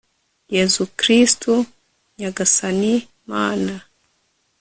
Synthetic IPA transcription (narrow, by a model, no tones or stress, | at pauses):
jezukɾistu | ɲaɡasani | maːna